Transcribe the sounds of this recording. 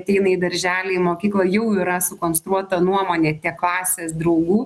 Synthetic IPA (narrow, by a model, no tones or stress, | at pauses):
t̪ʲɛɪnɐid̪ɐɾʲʒʲæːlʲeɪmoːkʲiːklˠɐjɛʊɪɾɐsʊkoːnst̪ɾuɔt̪ɐnuɔmoːnʲeːt̪ʲɛklˠɑːsʲeːsd̪ɾɐʊɡuː